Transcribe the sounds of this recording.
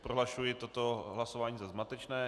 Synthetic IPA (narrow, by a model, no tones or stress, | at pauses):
pɾoɦlaʃujɪt̪ot̪oɦlasovaːɲiːzazmat̪ɛt͡ʃnɛː